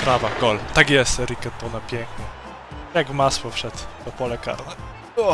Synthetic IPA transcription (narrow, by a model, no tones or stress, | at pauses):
pɾavaɡ̥ɔlt̪aɡjɛst̪ɛɾikɛt̪ːɔnapʲjɛŋkɲɛ | jaɡvmaswɔfʂɛt̪pɔpɔlɛka̰ɾnɛ | ɔ